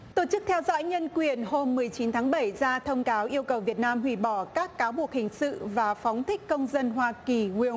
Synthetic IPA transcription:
t̪o˧˩t͡ɕɨ˦˥k̚t̪ʰɛ˧wzɔ̰˧˥jɲə˧nkwi˨˩ənɦo˧mːɨ˨˩əjt͡ɕi˨˦nt̪ʰaː˨˦ŋɓə˧˩jzaː˧t̪ʰə˧wŋ͡mkaː˨˦wʔi˧əwkə˨˩wvi˨˩ət̚naː˧mhwḭ˧˩ɓɔ˧˩kaː˦˥kːaː˨˦wɓu˨˩ək̚hï˨˩ŋ̟sɨ̰˧˨vaː˨˩fɔ˨˦wŋ͡mt̪ʰï˦˥k̟kə˧wŋ͡mzə˧nɦwaː˧ki˨˩wi˧ə

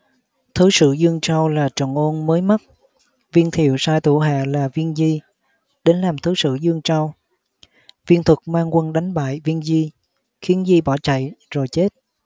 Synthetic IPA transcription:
t̪ʰɨ˨˦sɨ̰˧˨zɨ˧əŋt͡ɕa˧wlaː˨˩t͡ɕə̰˧˨nʔo˧nməː˨˦jma˦˥t̚ | vi˧ənt̪ʰḭ˧˨əwsaː˧jt̪ʰu˧˩ɦa̰ː˧˨laː˨˩vi˧ənzi˧ | ɗe˨˦nlaː˨˩mt̪ʰɨ˨˦sɨ̰˧˨zɨ˧əŋt͡ɕa˧w | vi˧ənt̪ʰwu˨˩k̚maː˧ŋkwə˧nɗa˨˦jŋ̟ɓa̰ː˧˨jvi˧ənzi˧ | xi˨˦ənzi˧ɓɔ˧˩t͡ɕa̰˧˨jzo˨˩jt͡ɕe˦˥t̚

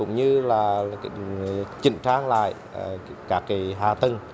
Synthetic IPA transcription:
ʊ̰˧˥ŋ͡mɲɨ˧laː˨˩ | t͡ɕḭ̈˧˨ŋ̟t͡ɕaː˧ŋla̰ː˧˨j | kaː˦˥kːi˨˦ɦaː˨˩t̪ə˨˩ŋ

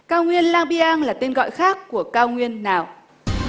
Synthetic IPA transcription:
kaː˧wŋwi˧ənlaː˧ŋɓi˧ʔaː˧ŋlaː˨˩t̪e˧nɣɔ̰˧˨jxaː˦˥kːu˧˩əkaː˧wŋwi˧ənːaː˨˩w

